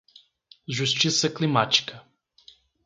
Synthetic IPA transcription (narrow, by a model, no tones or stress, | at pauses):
ʒust͡ʃisɛklimat͡ʃka